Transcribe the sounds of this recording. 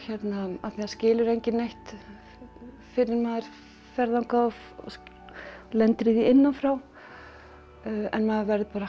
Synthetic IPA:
çɛt̪naaθiascɪːlʏɾejɲcɪnːejht̪ | fɪɾɪɾmaːðɪɾ̥ | fɛɾðawŋka | lɛnt̪ɾiðiɪnːanfɾaw | ɛ̰nmɛðʏɾvɛɾðɪpaːɾa

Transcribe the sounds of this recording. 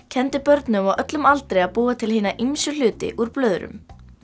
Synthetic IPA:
cʰɛnt̪ɪpœɾt̪nʏmawœt̪lʏmalt̪ɾejapuːat̪ʰɪlhiːnaʔimsʏl̥ʏːt̪ɪ̰ʔuɾplœːðɾʏ̰m

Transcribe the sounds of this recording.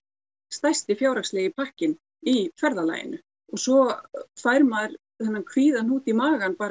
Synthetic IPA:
st̪ajst̪ɪfjaːwɾakslɛːɣɪpʰahcɪn | ifɛɾðala̰ːjɪ̰nʏ | ɔɣsɔfajɾmaːðɾ | θɛnːamkʰviːðanhuːt̪imaːɣanpaːɾ

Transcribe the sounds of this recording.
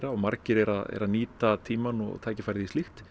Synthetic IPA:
ɾaɔmaɾcɪɾɛɾaðɛ̰ɾaniːt̪at̪ʰiːmanɔ̰ɣt̪ʰaːjcɪ̥fajɾðist̪ɪxt̪

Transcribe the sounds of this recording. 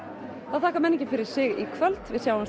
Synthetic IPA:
θaðθaːhkaɾmɛnːɪcːɪfɪɾɪɾ̥sɪɣikʰvœlt̪vɪðsjaːwam

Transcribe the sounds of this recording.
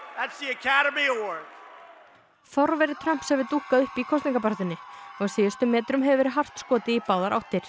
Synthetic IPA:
ðætsðiɨkʰæɾəmiwɜ˞k | θɔɾvɛɾɪt̪ʰɾam̥psɛvɪɾt̪uhkaðʏhpikʰɔst̪iŋkapaɾt̪ɪnːɪɔɣsɪːjʏst̪ʏmːɛːt̪ɾʏmɦɛvɪvɛːɾɪɦar̥t̪skɔːt̪ɪipaːwðaɾʔa̰wht̪ɪɾ̥

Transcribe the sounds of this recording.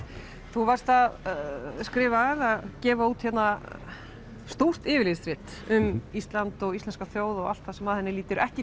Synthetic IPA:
θuvaɾ̥st̪að | skɾɪːvaðaðcɛːvauːt̪çɛt̪na | st̪owr̥t̪ɪːvɪliːðst̪ɾɪht̪ʏmist̪lant̪ɔɣist̪ɛnskaθjoːwðɔɣal̥t̪θasɛmaðhɛnːɪliːt̪ɪɾʔɛhcɪ

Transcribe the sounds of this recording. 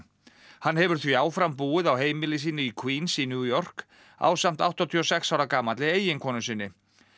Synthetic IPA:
hanːhɛvʏɾ̥θviaːwfɾampuːɪðawɦeːjmɪlɪsiːnɪikʰwiːnsinjuːjɔr̥k | a̰wsam̥t̪awht̪ɔt̪ʰiːɔsɛksawɾakaːmat̪lɪeːjɪnkʰɔːnʏsɪːnːɪ

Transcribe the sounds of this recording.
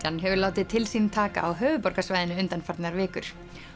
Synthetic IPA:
anɦɛvʏɾlaːwt̪ɪðt̪ʰɪlsint̪ʰaːka̰ʔawɦœːvʏpɔɾ̥kasvaːjðɪnʏʏnt̪anfaɾt̪nɣaɾvɪːkʏɾ̥

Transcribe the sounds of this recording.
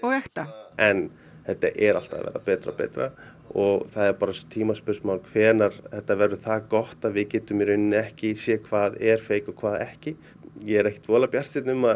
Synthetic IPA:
ɔɣɛxt̪aɛn | θɛt̪ːa̰ʔɛɾa̰l̥t̪a̰ðvɛ̰ːɾa̰pɛːt̪ɾa̰pɛ̰ːjt̪ɾa | ɔɣθaðɛɾpaːɾast̪ʰiːmaspʏɾ̥smawlkʰvɛːnaɾ̥θɛht̪ːavɛɾðʏθakɔht̪aðvɪðcɛːt̪ʏmɾʏnːɪɛhcɪsjɛːkʰv̥aːðɛɾ̥feːjkɔkʰv̥aːðɛhcɪ | jɛɛɾɛhcɪt̪vɔːlapjar̥sɪt̪nʏma

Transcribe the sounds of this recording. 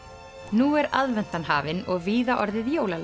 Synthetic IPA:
nuɛɾaðvɛn̥t̪anɦaːvɪnɔɣviːðaʔɔɾðɪðjoːwlal

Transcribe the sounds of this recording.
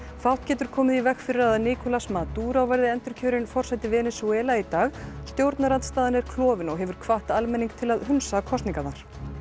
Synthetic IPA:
fawht̪cɛːt̪ʏɾ̥kʰɔːmɪðivɛxfɪɾɪɾaðnɪːkɔlasmat̪uːɾawvajɾðɪɛnt̪ʏɾ̥cʰœːɾɪnfɔr̥sajt̪ɪvɛːnɪsuɛːlait̪aːɣst̪jowɾt̪naɾant̪st̪aːðɪnɛɾ̥kʰlɔːvɪnɔɣɦɛvʏɾ̥kʰvaht̪almɛniŋk̚t̪ʰɪlaðɦʏnsakʰɔst̪niŋkanaɾ̥

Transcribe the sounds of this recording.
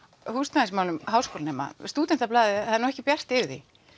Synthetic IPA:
hust̪naĩsmaːwlʏmɦaːwskʰowlnɛːmːa̰st̪uːt̪ɛnt̪aplaːðɪaðnɔɛhcɪpjar̥t̪ɪɾði

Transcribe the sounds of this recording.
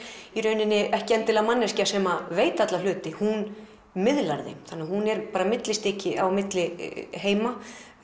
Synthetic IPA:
iɾœːɥnɪnːɪʔɛhcɪɛnt̪ɪlamanːɛscasɛmaveːjt̪at̪lalʏːt̪ɪhun | mɪðla̰ɾðḛjmθanːɪahɦunɛɾpaːɾamɪt̪lɪst̪ɪːcɪʔawmɪt̪lɪɦeːjma

